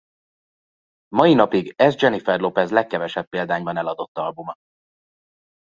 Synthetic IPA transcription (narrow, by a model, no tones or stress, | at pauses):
mɒjinɒpiɡɛzd͡ʒɛnifɛrlo̞pɛzlɛkːɛvɛʃɛpːeːld̪aːɲbɒnɛlɒd̪o̞t̪ːɒlbumɒ